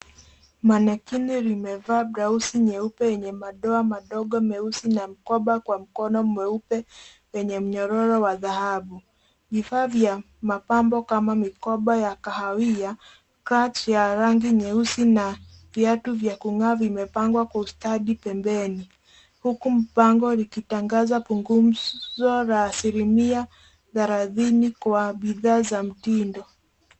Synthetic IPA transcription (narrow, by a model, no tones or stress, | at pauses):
manɛkiniɾimɛvaːbɾausiɲɛupɛjɛɲɛmaɗɔamaɗɔɠɔmɛusinam̩kɔɓakwam̩kɔnɔm̩mɛupɛ | wɛɲɛm̩ɲɔɾɔɾɔwaðahaɓu | vifaːvja | mapambɔkamamikɔɓajakahawia | kɾat͡ʃjaɾaŋɡiɲɛusinavjatuvjakuŋaːvimɛpaŋɡwakwaustaɗipɛmbɛni | hukum̩paŋɡɔlikitaŋɡazapuŋɡum̩zɔɾaːsilimia | ðaɾaðinikwaɓiðaːzam̩tindɔ